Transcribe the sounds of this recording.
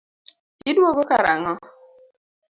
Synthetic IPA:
idwoɡokaɾaŋɔ

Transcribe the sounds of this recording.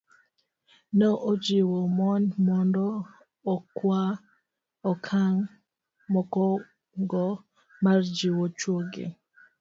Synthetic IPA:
nɔʔod͡ʒiwɔmɔnmɔndɔː | kwa | ɔkʰaŋ | mɔkɔ | ŋɡɔ | mard͡ʒiwot͡ʃwoɡḛ

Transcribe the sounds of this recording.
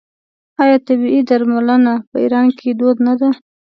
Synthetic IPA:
ɑjɑt̪abiid̪aɾmalənapəḭɾɑnkʰed̪od̪nad̪a

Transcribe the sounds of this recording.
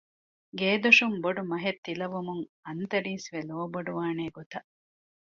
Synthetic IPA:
ɡeːd̪oʃumboɖumɐɦet̪ːilɐʋumuŋɐnt̪ɐɾiːsʋeloːboɖuʋaːneːɡot̪ɐ

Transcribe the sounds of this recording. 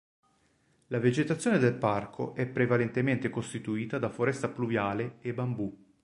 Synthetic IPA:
laved͡ʒet̪at̪sːjoːned̪elparkʰoʔɛpːɾevalent̪ement̪ekost̪it̪uiːt̪ad̪afoɾɛst̪apluvjaːleebːambu

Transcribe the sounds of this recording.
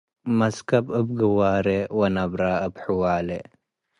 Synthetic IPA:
mɐskɐbɨb̚ɡɨwaːɾewɐnɐbɾaəbħuwaːle

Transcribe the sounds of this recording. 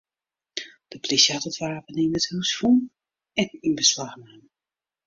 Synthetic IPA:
d̥əplisjatɔtʋaːpəninəthywsfun | ɛninbəslaxnɛm

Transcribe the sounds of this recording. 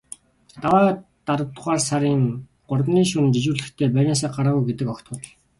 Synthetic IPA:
t̪awaːt̪aɾə̆t̪ʁaːrsaɾiːŋ | ɢ̥ʊrwniːʃunt͡ɕit͡ɕuːɮɘ̆xt̪ʰeːpæɾʲnaːs̬aːɢaɾaːɣujɡet̪ɘ̆kɔkt̪ə̆t̪̆ɮ

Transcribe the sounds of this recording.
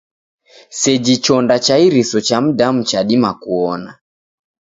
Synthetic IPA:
sɛd͡ʒit͡ʃɔndat͡ʃaiɾisɔt͡ʃam̩dam̩t͡ʃaɗimakuɔna

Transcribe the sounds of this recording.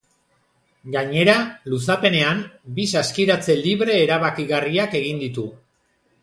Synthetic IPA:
ɡaɲe̞ɾalusape̞ne̞ambisaskiɾat͡se̞liβɾe̞ːɾaβakiɣariake̞ɣ̞ind̪it̪u

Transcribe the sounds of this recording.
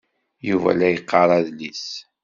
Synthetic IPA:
juvæ̰læjəqːɑɾˤɑðlis

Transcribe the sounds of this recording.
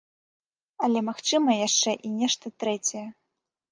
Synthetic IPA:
ɐlʲɛmaxt͡ʂɨmɐjaʂt͡ʂɛʔinʲɛʂt̪ɐt̪ɾɛt͡sʲɐjɛ

